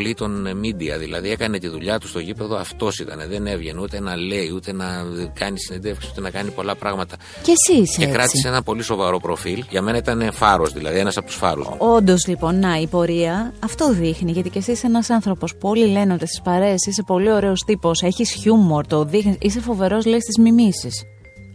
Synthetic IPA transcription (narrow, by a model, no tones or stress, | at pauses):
lit̪o̞nmid̪iɐ̰ðilɐ̰ðie̞kɐne̞t̪iðuʎɐt̪u̥st̪o̞ʝipe̞ðo̞ɐ̰ft̪o̞sit̪ɐneðe̞nevʝe̞nut̪e̞nɐle̞iut̪e̞nɐkɐnisine̞nd̪e̞fksi̥sut̪enɐkɐnipo̞lɐpɾɐɣmɐt̪ɐ | ce̞sisekɾɐt̪iiseenɐpo̞liso̞vɐɾo̞pɾo̞filʝɐme̞nɐit̪ɐne̞fɐɾozðilɐ̰ðie̞nɐsɐpot̪u̥sfɐ̰ɾṵst̪ṵo̞nd̪o̞zlipo̞nːɐipo̞ɾiɐːft̪o̞ðixniʝɐt̪ice̞sise̞nɐsɐnθɾo̞po̞spuo̞lile̞neo̞t̪isi̥spɐɾe̞sise̞po̞lio̞ɾe̞o̞st̪ipo̞se̞çisçumoɾt̪oðixniise̞fo̞ve̞ɾo̞zleist̪izmimisis